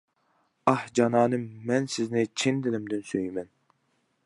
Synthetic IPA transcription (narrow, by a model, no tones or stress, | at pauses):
ɑhd͡ʒɑnɑːnɨmɛnsɪznɪt͡ʃʰind̪ɪlɪmd̪ɪnsøjmɛn